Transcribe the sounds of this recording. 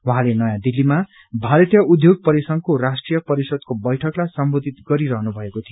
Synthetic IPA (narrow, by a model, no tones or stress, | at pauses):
waɦãlenʌjãd̪ilːima | bʱaɾʌt̪jʌud̪ʱjoɡ̚pʌɾisʌŋkorasʈrijʌpʌɾisʌd̪̚kobʌjʈʰʌklajsʌmbod̪ʱit̪ɡʌɾiɾʌɦnubʱʌekot̪ʰijo